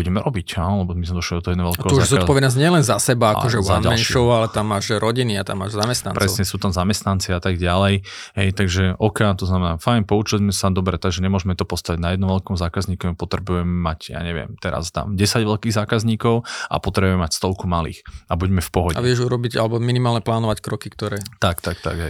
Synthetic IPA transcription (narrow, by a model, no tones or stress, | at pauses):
uɟɛmɛɾʔɔbicanɔlɛbɔmizmɛd̪ɔʃlid̪ɔt̪ɔɛd̪ɛʋɛlkɛuzuaːzɔtpɔʋɛd̪nɔz̬ɲɪɛlɛnzasɛbaːkɔʒɛzaaɛnʃɔʊalɛt̪amːaːʒɾɔɟiniat̪a̰mːaːʒzamɛst̪nanpɾɛɔʊɲɛsuːt̪amzamɛst̪nant͡siat̪aɡɟalɛj | ɦɛjt̪aɡʒɛʔɔkat̪ɔznamɛnaːfajnpɔut͡ʃilmɛsad̪ɔbɾɛt̪aɡʒɛɲɛmʊɔʒɛmɛt̪ɔpɔst̪aʋiɟnajɛd̪nɔ̃mʋɛlkɔmzaːkazɲiːkɔpɔt̪ɾɛbujɛmːacja̰ːɲɛʋɪɛ̰mt̪ɛɾa̰zt̪a̰mɟɛsaɟʋɛlkiːɣzaːkazɲiːkɔʊʔa̰pɔt̪ɾɛbuɛmɛmacst̪ɔlkumalḭːxabuɟmɛfpɔɦɔɟa̰ʋɪɛʒuɾɔbiɟalɛbɔminimaːlɲɛplaːnɔʋackɾɔkikt̪ɔɾɛːt̪akt̪akt̪a̰ɡɦɛj